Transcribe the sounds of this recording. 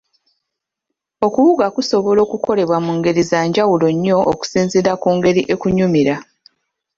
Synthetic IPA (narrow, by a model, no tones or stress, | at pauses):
o̞kuβuɡakuso̞βo̞lo̞ːkuko̞le̞βwamuŋɡe̞ɾizaːɲɟawulo̞ɲːo̞ʔːku̥siːnziɾakuːŋɡe̞ɾiʔe̞kuɲumiɾa